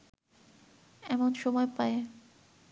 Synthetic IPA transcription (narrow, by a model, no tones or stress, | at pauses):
ɛmonʃɔmɔepae